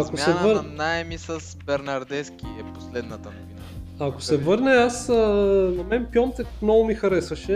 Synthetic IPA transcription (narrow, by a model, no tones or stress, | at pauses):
ɐkosɛvəɾnaɛmisəsbɛɾnɐɾd̪ɛskʲiɛpo̥slɛd̪nɐvt̪ɐnovin | ako̥sɛvɤɾnɛasənɐmɛnpjɔnt̪ɛknɔvʊmixɐɾɛsvɐʃɛ